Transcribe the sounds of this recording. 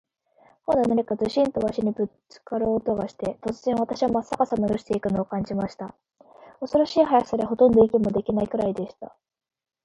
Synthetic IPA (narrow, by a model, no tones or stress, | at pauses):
kond̪onaɲikazɨɕĩnt̪o̞βaɕiɲ̟ibɯ̟t͡sɨ̥kaɾoːt̪o̞ɡaɕi̥t̪e̞t̪o̞t͡sɨz̥ẽ̞ɰ̃β̞at̪aɕiβamasːakasanoɾoɕi̥t̪e̞ikɯ̟no̞ːkãɲ̟d͡ʑimaɕi̥t̪a | o̞so̞ɾoɕiːɦajasaɾeɦo̞t̪õ̞nd̪o̞ikʲimo̞d̪e̞kʲinaikɯ̟ɾaid̪e̞ɕi̥t̪a̰